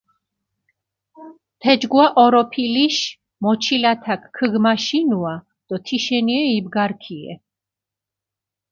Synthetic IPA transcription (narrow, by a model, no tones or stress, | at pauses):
t̪ʰɛd͡ʒɡwaʔɔɾɔpʰiliʃ | mɔt͡ʃʰilat̪ʰakʰːəɡmaʃinua | d̪̥ɔt̪ʰiʃɛniɛib̚ɡaɾkʰiɛ̰